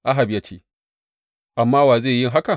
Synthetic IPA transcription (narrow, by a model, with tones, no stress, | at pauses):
ʔa˦ɦa˨bja˦t͡ʃeː˦ | ʔa˨mːaː˦waː˨zeː˦˨jɪ˦ŋɦa˦ka˨